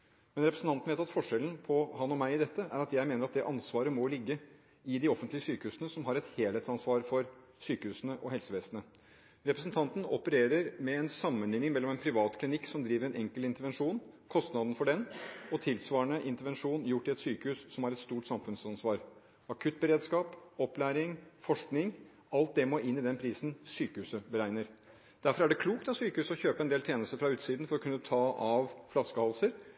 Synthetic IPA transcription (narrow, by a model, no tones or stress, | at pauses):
mɛnɾɛpɾəsn̩ʰɑnt̪n̩ʋeːt̪ɑt̪fɔʂɛln̩pʰɔhɑnɔmæɪɪd̪ɛt̪ːəʔæ̰ɾɑt̪jæɪmeːnəɾɑt̪̚d̪ɛʔɑnsʋɑːɾəmɔlɪɡːə | ɪd̪ɪɔfənt̪lɪəsyːkəhʉːsnəsɔmɦɑɾɛt̪heːlet̪sɑnsʋɑːɾfɔɾ | syːkəhʉːsənəʔɔhɛlsəʋeːsnə | ɾɛpɾəsənt̪ʰɑnt̪n̩ɔpəɾeːɾəɾmɛɛnsɑmːənlɪŋnɪŋmɛlːɔmɛnpʰɾɪʋɑːt̪kʰlɪnɪkːsɔmd̪ɾiːʋəɾɛnʔɛŋkəlɪnt̪əɾʋɛnʂuːnkʰɔst̪nɑd̪n̩fɔɖɛnɔt̪ʰɪlsʋɑːɳəʔɪnt̪əɾʋɛnʂuːnjʊʈːɪɛt̪syːkəhʉːsːɔmæɾɛt̪st̪uːʈsɑmfʉnsɑnsʋɑːɾ | ɑkʰʉt̪̚ːbəɾeːd̪skɑːpɔplæːɾɪŋfɔʂknɪŋ | ɑlt̪̚d̪ɛmɔʔɪnːɪd̪ɛnpʰɾiːsn̩syːkəhʉːsəbəɾæɪnəɾ | d̪̥æɾfɔɾæɖɛkʰluːk̚t̪ɑt̪syːkəhʉːsəɔçøːpəɛnd̪eːlt̪ʰjeːnəst̪əɾfɾɑʉːt̪siːd̪nfɔɾɔkʰʉnːət̪ʰɑːʔɑʋflɑskəhɑlsəɾ